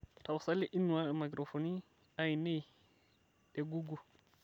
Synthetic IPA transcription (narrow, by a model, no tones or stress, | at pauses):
tawsalːiʔinːuwaɛmaɡɾofoni | ajnej | ɗɛɡuɡu